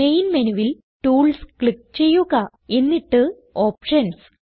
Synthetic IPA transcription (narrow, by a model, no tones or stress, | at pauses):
me̞jnmɐnuʋil | ʈuːɭskɭik̚t͡ɕe̞jːuɣɐ | e̞nːiʈːɨ | oːpʂɐns